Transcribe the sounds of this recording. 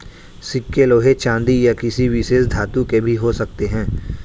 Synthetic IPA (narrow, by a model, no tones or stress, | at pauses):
sɪkːeloːɦet͡ʃãːnd̪ijakɪsiʋɪsesd̪ʱaːt̪ũkebʱiɦosɐk̚t̪eɦɛ̃ː